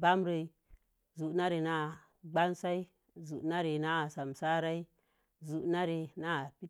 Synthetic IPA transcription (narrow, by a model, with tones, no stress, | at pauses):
ba˦mɾe˨i˨ | zu˨ʔna˦ɾe˨na˦˨ | ɡ͡ba˦nsa˦i˦ | zu˨ʔna˦ɾe˨na˦˨sa˨msa˦ɾa˦i˦ | zu˨ʔna˦ɾe˨na˦˨pi˦